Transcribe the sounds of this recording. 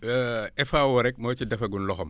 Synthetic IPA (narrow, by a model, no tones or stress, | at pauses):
ɛfawɔɾɛk̚mɐt͡ʃidɐfɐɡunlɔxɔm